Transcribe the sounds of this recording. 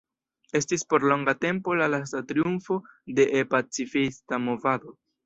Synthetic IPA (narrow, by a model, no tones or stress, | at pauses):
e̞stispo̞ɾlo̞ŋɡate̞mpo̞lalas̬tatɾiunfo̞de̞ʔepat͡sifistamo̞vado̞